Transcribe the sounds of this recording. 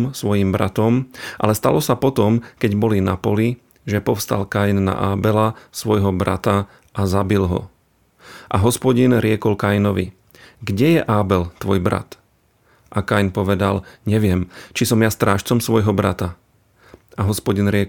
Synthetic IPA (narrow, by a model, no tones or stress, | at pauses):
msʋɔjimbɾa̰t̪ɔmʔa̰lɛst̪alɔsapɔt̪ɔmkɛɟbɔlinapɔli | ʒɛpɔfst̪a̰lkajnːa̰ʔaːbɛlasʋɔjɦɔbɾa̰t̪a | ʔazabilɦɔ̰ | ʔaɦɔspɔɟinɾɪɛkɔlkajnɔʋḭ | ɡɟɛjɛʔaːbɛlt̪ʋɔjbɾa̰t̪ | ʔakajnpɔʋɛd̪alɲɛʋɪɛmt͡ʃisɔmjast̪ɾaːʃt͡sɔmsʋɔjɦɔbɾat̪a | aɦɔspɔɟinɾɪɛ